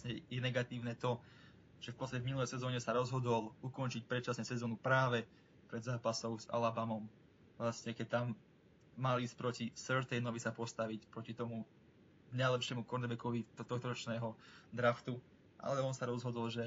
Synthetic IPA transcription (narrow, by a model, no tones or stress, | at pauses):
ɲɛjɛnɛɡat̪iːʊnɛt̪ɔ | ʒ̥ɛfpɔt̪st̪acɛvminulɛjsɛzɔːɲɛsaɾɔzɦɔd̪ɔlukɔnt͡ʃic̚pɾɛt̪̚t͡ʃasɲɛsɛzɔːnupɾaːʋɛ | pɾɛd̪zaːpasɔʊza̰labamɔm | ʋlasɲɛkɛc̚t̪amː | aliːsc̚pɾɔcisɛɾt̪ɛjnɔʋisapɔst̪aʋicpɾɔcit̪ɔmu | ɡnajlɛpʃɛmukɔɾnɛɾbɛkɔʋit̪t̪ɔxt̪ɔɾɔt͡ʃnɛːɦɔd̪ɾaft̪u | ʔa̰lɛɔnsaɾɔzɦɔd̪ɔlʒɛ